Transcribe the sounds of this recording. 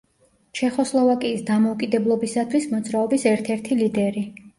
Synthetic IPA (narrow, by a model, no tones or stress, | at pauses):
t͡ʃʰɛχɔslˠɔvakʼiːsd̪amɔukʼid̪ɛblˠɔbisat̪ʰwismɔd̪zɾaɔbisɛɾt̪ʰɛɾt̪ʰilid̪ɛɾi